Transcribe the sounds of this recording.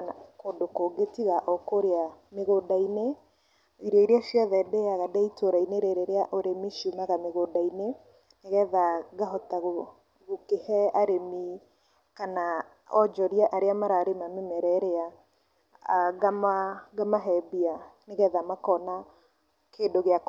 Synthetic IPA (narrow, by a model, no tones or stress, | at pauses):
kodokoɡetiɣaʔɔkoɾeameɣodaine | iɾɔiɾeaʃjɔðɛdeaɣadɛitʰoɾaineɾeɾeɾeaʔoɾemiʃumaɣameɣodaine | neɣɛðaɡaɦɔtaɣo | ɣokehɛaɾemi | kana | ɔd͡ʒɔɾiaʔaɾeamaɾaːɾemamemɛɾɛɾea | ɡamaɡamaɦɛbianeɣɛðamakɔna | kʰeːdoɣea